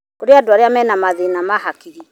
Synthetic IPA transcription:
oɾeadwaɾeamɛnamaðenamahakiɾi

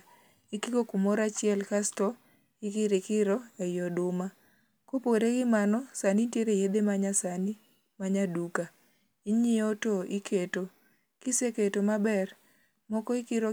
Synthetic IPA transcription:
ikikokumoɾat͡ʃɪɛlkastɔ | ikɪɾekɪɾɔɛjɔdʊma | kopoɾeɡɪmanɔsanintjeɾejed̪emaɲasani | maɲaduka | iɲɪotoikʰeto | kiseketomabɛr | mɔkɔikɪɾo

